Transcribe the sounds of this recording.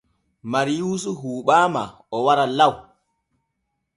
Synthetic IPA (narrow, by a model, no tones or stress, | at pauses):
maɾijuːs̬uɦuːɓaːma̰ | ɔwaɾalaw